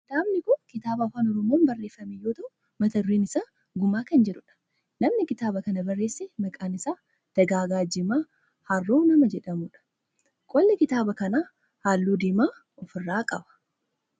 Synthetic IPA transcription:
daːmnɪkʊkɪt̪aːbafaːnɔɾɔmoːnbɐrːe̞ːfːɐmɛjːoːt̪ɐʔʊ | mɐt̪ɐɾːiːnɪsaː | ɡʊmaːkɐnd͡ʒɛᶑʊᶑɐ̥ | nɐmnɪkɪt̪aːbɐkɐnɐbɐrːe̞ːsːɛmɐkʼaːnɪsaː | d̪̥ɐɡaːɡaːd͡ʒɪmaː | hɐrːoːnɐmɐd͡ʒɛᶑɐmʊᶑɐ̥ | kʼɔlːɛkɪt̪aːbɐkɐnaː | haːlːuːd̪iːmaː | ɔfɪrːaːkʼɐbɐ̥

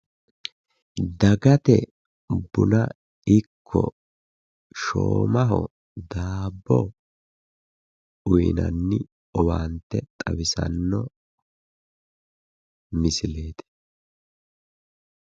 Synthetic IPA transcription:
d̪ɐɡɐt̪ɛ | bʊnɐ | ɪkʰːɔ̰ | ʃo̰ːmɐɦɔ | d̪aːbːɔ | ʊjnɐ̰nːɪ | ɔwaːnt̪ːɛt̪ʼɐwɪsɐ̰nːɔ | mɪsɪle̞ːt̪ɛ̥

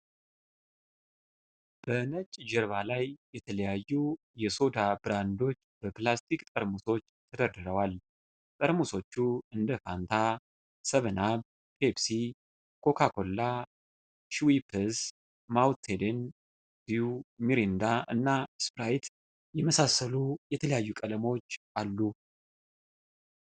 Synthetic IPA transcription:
b̥ənət͡ʃʼd͡ʒəɾβalajjɛt̪ʰələjajːu | jɛso̞d̪abɨɾand̪o̞t͡ʃːbəplast̪ʰikt̪ʼəɾmuso̞t͡ʃːt̪ʰəd̪əɾd̪ɨɾəwal | t̪ʼəɾmuso̞t͡ʃːuɨnd̪əfant̪ʰa | səβənaβ | pʰebsi | kʰo̞kʰakʰo̞lːa | ʃuwipʰəs | mawt̪ʰed̪en | b̥iumiɾind̪aʔɨnːaspɾajt̪ | jɛməsasːəlujɛt̪ʰələjajːukʼələmo̞t͡ʃːʔalːu

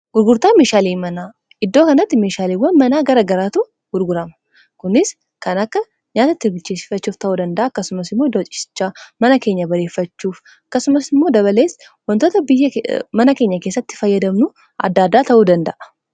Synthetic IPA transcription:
ɡ̥ʊɾɡʊɾt̪aːmeːʃaːliːmɐnaː | ʔɪd̪ːo̞ːkɐnɐt̪ːɪme̞ːʃaːliːwɐnmɐnaːɡɐɾɐɡɐɾaːt̪u | ɡ̥ʊɾɡʊɾɐmɐ̥ | kʊnɪs | kɐnɐkːɐ | ɲaːt̪ɐt̪ːɪbɪlt͡ʃeːsɪ̥fɐt͡ʃːuːft̪ɐʔuːd̪ɐnd̪ɐʔaːɐkːɐsʊmɐsɪmːoɪd̪ːoːt͡ʃʼɪ̥sɪ̥t͡ʃːaːmɐnɐke̞ːɲːɐbɐɾe̞ːfːɐt͡ʃːuːf | ɐkːɐsʊmɐsɪmːo̞ːd̪ɐβɐle̞ːs | wɐnt̪o̞ːt̪ɐbɪjːɐmɐnɐke̞ːɲːɐke̞ːsːɐt̪ːɪ̥fɐjːɐd̪ɐmnʊ | ʔɐ̰d̪ːaːd̪ːaːt̪ɐʔuːd̪ɐnd̪ɐʔɐ̥

